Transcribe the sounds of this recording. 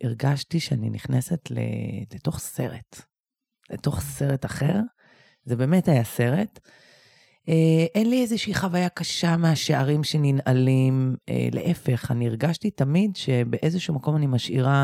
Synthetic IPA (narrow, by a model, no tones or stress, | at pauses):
ʔiʁɡaʃtiʃeanḭniχnesetlḛleto̞χse̞ʁe̞t | lḛto̞χse̞ʁetaχe̞ʁ | zebe̞ːme̞thajase̞ʁe̞t | eʔenliezeʃiiχavajakaʃameaʃeʔaʁimʃeninalimḛlḛʔefe̞χa̰niiʁɡaʃtitamidʃebe̞ʔezeʃumako̞manimaʃʔḭʁa